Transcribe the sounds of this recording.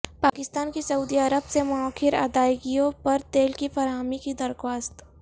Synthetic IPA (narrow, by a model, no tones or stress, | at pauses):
paːkɪst̪aːnkisɐuːd̪iɐɾəbsemɔɔːkʰɪɾa̰ːd̪aːjɡijõpɐɾt̪eːlkifɐɾɦaːmikid̪ɐɾxwaːst̪